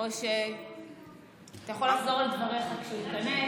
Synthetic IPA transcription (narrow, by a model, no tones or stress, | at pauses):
oʃe | at̪ajaχolaχzo̞ʁledvaʁeχakʃeuit̪kane